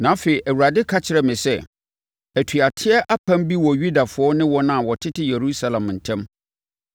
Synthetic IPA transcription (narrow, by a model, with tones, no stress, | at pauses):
nã˨˦fe˨i˨ʔæ˨wu˨ɾa˨dɪ˦kʰa˦t͡ɕʰɪ˨ɾɛ˨mɪ̃˨sɛ˦ | æ˨tʰu˨a˨tʰɪ˦ɛ˦ʔa˦pʰã˦mbi˦wɔ˨ɥu˦da˨fʊ˨˦ɔ˦nɪ̃˦wɔ̃˦nã˦˨wɔ˨tʰɪ˦tʰɪ˦je˨ɾu˦sa˦lã˨mn̩˨tʰɛ̃˦m